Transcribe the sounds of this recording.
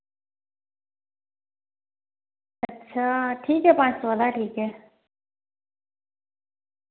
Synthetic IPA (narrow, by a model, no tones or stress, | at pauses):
ətːɕʰaːʈʰiːkɦɛpãːt͡ʃsolaʈʰiːkɦɛː